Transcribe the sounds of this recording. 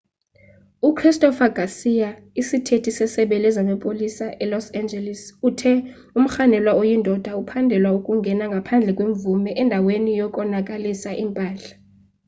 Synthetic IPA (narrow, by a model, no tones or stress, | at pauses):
ukʰristʼɔfaɡ̥ʱasija | isitʰetʰisɛsɛɓɛlɛzamapʼolisaʔɛlɔsand͡ʒɛlɛsutʰɛ | um̩xanɛlwaojindʱɔd̥ʱaupʰandʱɛlwaukʼuŋɡʱɛnaŋɡʱapʰand͡ɮʱɛkʼweɱvumɛʔɛndʱawenijɔkʼɔnakʼalisaʔimpʼaːɬḁ